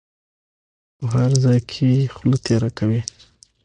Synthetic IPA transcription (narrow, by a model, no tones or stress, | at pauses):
pəɦaɾzɑjkʰexlut̪eɾakʰawi